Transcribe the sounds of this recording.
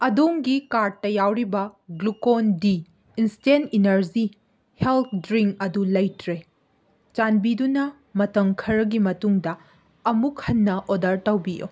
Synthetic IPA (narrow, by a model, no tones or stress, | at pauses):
ɐdoŋɡikaɾd̚tɐjawɾibɐɡlukondiː | nsteninɐɾzi | helt̪̚ʰdɾiŋkɐdulɐjtɾe | t͡ʃanbidunɐ | mɐtɐŋkʰɐɾɐɡimɐtuŋdɐ | ɐmuk̚hɐnːɐʔodɐɾtɐwbiʔo̰